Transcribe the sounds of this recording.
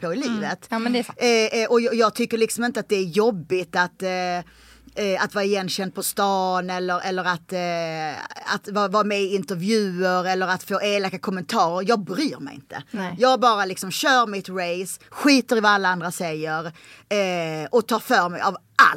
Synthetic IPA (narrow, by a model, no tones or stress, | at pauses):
pʰɔɪliːvət̪ | ʔɔjjɑːɡ̚t̪ʰʏkːəɾɭɪksɔmɪnt̪əat̪̚d̪ɛæɾjɔbːɪt̪at̪ | at̪vɑːɾaɪjɛnːɕɛnd̪̚pʰɔst̪ɑːnɛlːəɾʔɛlːəɾat̪ | a̰t̪vɑvɑːmɛɪɪnt̪əɾvjʉ̟ːəɾɛlːəɾat̪foːʔeːlakːakʰɔmːənt̪ʰɑːɾəɾjɑːɡ̚bɾyːɾmɛ̰jɪ̰nt̪ʰə̰jɑːabɑːɾalɪksɔmɕœːɾmɪt̪ɾɛɪsɧiːt̪əɾvaalːaand̪ɾasɛjːəɾ | ɔt̪ʰɑːɾfœːɾmɛjav | a̰l